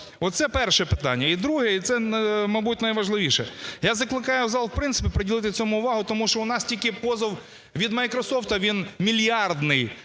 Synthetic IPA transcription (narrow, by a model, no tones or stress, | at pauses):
ɔt̪sɛpɛrʃɛpɪt̪ɑ̰nʲːɐid̪ɾuɦɛit̪sɛmɐbutʲnɐjʋɐʒlˠɪʋʲiʃɛjazɐklˠɪkɑjʊzɑlˠwpɾɪnsɪ̥pʲipɾɔdʲilˠɪt̪ɪt͡sʲɔmʊʊʋɑɦʊt̪ɔmuʃt͡ʃɔʊnɑstʲilʲkɪpɔzɐw | ʋʲid̪mɐjkɾɔsɔft̪ɐʋʲinmʲilʲjɑrd̪nɪj